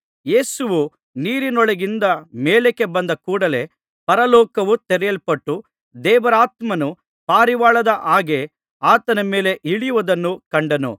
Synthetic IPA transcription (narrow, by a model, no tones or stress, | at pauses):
je̞ːsuʋu | niːɾinɔɭɐɡind̪ɐmeːleke̞bɐnd̪ɐkuːɽɐle̞ | pɐɾɐlɔːkɐʋut̪ɛɾɛjɐɭpɐʈːu | d̪ɛːʋɐɾaːt̪mɐnu | paːɾiʋaːɭɐd̪ɐʔaːɡe̞ | aːt̪ɐnɐme̞ːle̞ʔiɭijuʋɐd̪ɐnːukɐɳɖɐnṵ